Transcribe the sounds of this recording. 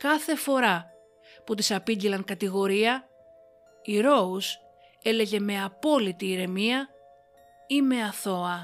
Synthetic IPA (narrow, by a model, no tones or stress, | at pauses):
kɐθe̞fo̞ɾɐ | put̪isɐpiɟilɐŋkɐt̪iɣo̞ɾiɐ | iɾo̞us | e̞le̞ʝe̞me̞ɐpo̞lit̪iːɾe̞miɐ | ime̞ɐθo̞ɐ